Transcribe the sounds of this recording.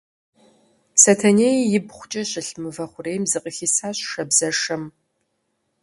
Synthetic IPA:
sɐtʰɐneːjjɪbχʷʊt͡ʃʼɐɕɪɬmɨvɐχʷʊreːjmzɨqʼəxiːsaːɕʃɐbzɐʂɐm

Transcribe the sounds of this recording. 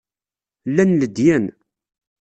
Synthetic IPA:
lːænləd̪jæn

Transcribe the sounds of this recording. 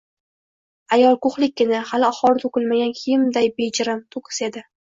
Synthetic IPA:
ajɒlˠkoχlɪk̚ʲːɪnahalɪaχɒlˠt̪ʰokɪlmaɡʲankʲʰimd̪ajbed͡ʒɪɾamt̪ʰokʰɪ̥sed̪ɪ

